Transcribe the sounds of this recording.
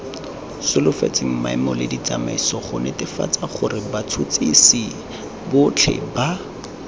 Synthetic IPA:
sʊlʊfḛt͡sʼɪŋ̩ma̰ɪmɔlɪdit͡samaisɔχʊnɪtɪfa̰t͡saχʊrɪbat͡sʰʊt͡sʼisɪ | bʊt͡ɬʰɛ̰ba

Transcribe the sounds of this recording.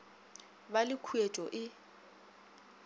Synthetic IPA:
balɪkʰuet͡ʃʼɔʔɪ

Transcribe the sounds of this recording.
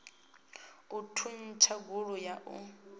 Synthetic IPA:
utʰun̩t͡ʃʰaɡuɺʊjaʔʊ̰

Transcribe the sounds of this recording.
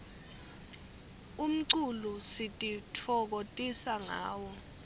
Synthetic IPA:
um̩ǀulusitʼitʰɔk̬otʼisaŋa̰ːwɔ

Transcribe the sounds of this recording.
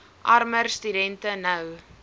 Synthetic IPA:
ʔɐrmərst̪ydɛntənəw

